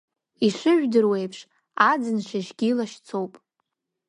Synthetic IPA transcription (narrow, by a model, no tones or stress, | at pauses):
iʂɨʒᶣʷdɨrwe̞jpʰʂ | ad͡zɨnʂaʒɡʲilaʃt͡sʰowpʼ